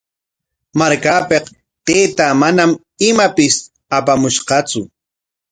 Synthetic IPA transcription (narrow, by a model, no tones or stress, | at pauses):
maɾkapeq | t̪eːt̪amanam | ɪmapɪs | apamʊʃqɑt͡sʊ